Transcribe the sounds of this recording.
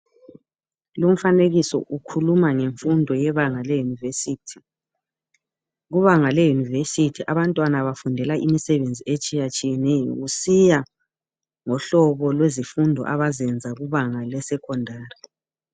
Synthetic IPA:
lum̩faneɣisɔ̰ʔukʰulumaŋeɱfundʱɔjɛβaŋalɛjunivesitʰi̥ | ɣuβaŋalɛjunivesitʰiʔaβantʼwanaβafundʱɛlaimisɛβend͡zʱiet͡ʃʼijat͡ʃʼijɛnɛjɔ̰ɣusija | ŋɔɬɔβɔlwezifundʱɔ̰ʔaβazɛnd͡zʱaɣuβaŋalɛsɛkʰɔndʱaːri

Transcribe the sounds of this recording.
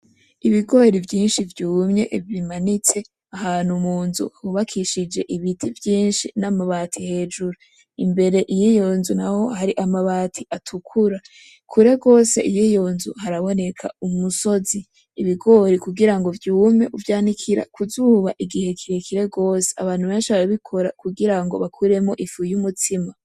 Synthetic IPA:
iβiɡo̞ːɾivjiːnʃivjuːmɲe̞ʔvimanit͡se̞ | ahaːn̥humuːnzṵhuβakʰiʃid͡ʒe̞ʔiβitʰivjiːnʃinamaβatʰihe̞ːd͡ʒuɾo | imbe̞ɾe̞ʔijijo̞ːnzunaho̞haɾiʔamaβaːtʰiʔatʰukʰuɾa | kʰuɾe̞ɡo̞ːse̞̰ʔijijo̞nzuhaɾaβo̞ne̞kʰa̰umuso̞ziː | βiɡo̞ɾikuɡiɾaŋɡo̞vjuːme̞ʔuvjaːnikʰiɾa̰kʰuzuːβa̰ʔiɡihe̞kʰiɾe̞kʰiɾe̞ɡo̞ːse̥aβaːn̥huβe̞ːnʃiaɾaβikʰo̞ɾakuɡiɾaŋɡo̞̰βakʰuɾe̞mo̞ʔifujumutʰima

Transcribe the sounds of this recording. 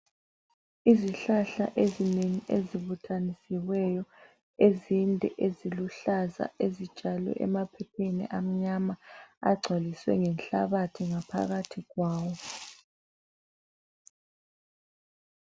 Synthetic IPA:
iziɬaɬa̰ʔezineŋiʔeziβutʰanisiwɛjɔ | ezindʱɛ̰ʔeziluɬaza̰ezid̥ʒ̥ʱʼalɛ̰ʔɛ̰mapʰɛpʰenḭʔam̩ɲamaa̰ɡ͡ǀʱwaliswɛ̰ŋɛnɬa̰βatʰiŋapʰa̰ɣatʰiɣwaːwɔ

